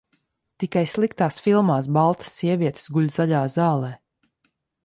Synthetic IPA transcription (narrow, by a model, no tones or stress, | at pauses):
t̪ikajslˠikt̪aːsfilˠmaːsbalˠt̪ḁsːiɛvʲiɛt̪e̥sɡuʎʲzaʎʲaːzaːlˠɛː